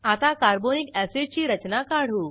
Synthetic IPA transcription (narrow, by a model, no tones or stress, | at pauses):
aːt̪akaːɾboːnɪkɛːset͡ʃiɾɐt͡ʃnakaːɽ̤ɦuː